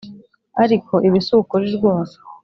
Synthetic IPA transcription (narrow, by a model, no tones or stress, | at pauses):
aɾikʰo̞ʔiβisukoɾiɾɡwoːβḁ